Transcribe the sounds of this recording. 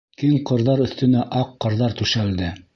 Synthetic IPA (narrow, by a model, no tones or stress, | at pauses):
kiŋqɤ̆ɾðɑɾɵ̆θt̪ɵ̆næʔɑqːɤ̆ɾðɑɾt̪ʉʃæld̪ɘ